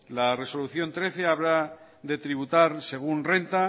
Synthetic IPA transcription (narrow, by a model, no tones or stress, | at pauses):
lare̞so̞luθjo̞nt̪ɾe̞θe̞aβɾa | ðe̞t̪ɾiβ̞ut̪aɾse̞ɣ̞unre̞nt̪a